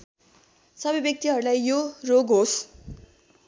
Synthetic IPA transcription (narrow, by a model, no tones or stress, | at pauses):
sʌbʌjbjʌk̚t̪iɦʌɾulajjoroɡɦos